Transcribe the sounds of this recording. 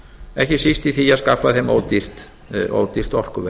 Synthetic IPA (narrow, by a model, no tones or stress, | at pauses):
ɛhcɪsist̪iθiaðskafːaθemo̰ːwt̪ir̥t̪ | o̰ːwt̪ir̥t̪ɔr̥kʏvɛ